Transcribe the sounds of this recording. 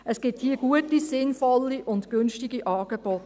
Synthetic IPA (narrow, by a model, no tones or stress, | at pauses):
əsɡ̥ɪthiːɡ̥uətisɪnfɔlːiʔʊntɡ̥ʏnʃtɪɡiʔɑːɡ̥eb̥ɔt